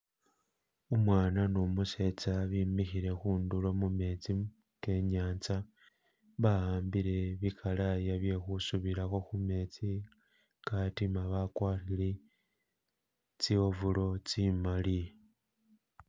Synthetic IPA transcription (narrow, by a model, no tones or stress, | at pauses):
umwaːnanomuse̞t͡saβimixiɾe̞xuːndulo̞mume̞t͡si | ke̞ɲaːnt͡sa | βahaːmbile̞βikʰalajaβje̞xusuβiɾaxoxume̞t͡si | katimaβakwaːrile | t͡siovulo̞t͡simali